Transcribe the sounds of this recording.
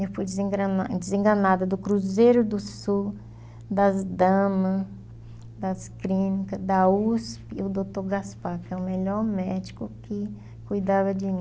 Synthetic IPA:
ewfujd͡ʒzẽɡɾɐad͡ʒɪzẽŋɡɐnad̪ɐd̪ʊkɾuzejɾʊd̪ʊsu | d̪ɐzd̪ɐ̃mɐ | d̪ɐskɾĩnikɐd̪ɐuspɪʊd̪ot̪oɾɡaspaɾkɛʊmeʎɔɾmɛd͡ʒikʊkɪ | kujd̪avɐd͡ʒɪmĩ

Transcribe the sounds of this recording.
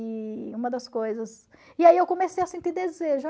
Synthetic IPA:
iũmɐd̪ɐskojzɐsɪaiewkõmesejɐsẽnt̪id̪ezeʒʊ

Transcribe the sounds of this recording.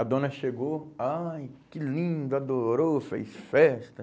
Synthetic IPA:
ɐd̪õnɐʃeɡoajkɪlĩd̪ʊad̪oɾofḛjsfɛst̪ɐ

